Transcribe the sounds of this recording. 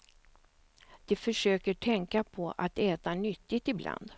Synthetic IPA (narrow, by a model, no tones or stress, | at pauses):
d̪̥ɛfœʂøːkəʈʰɛŋkapʰɔʔat̪ɛːt̪anʏt̪ːɪt̪ɪbla̰nd̪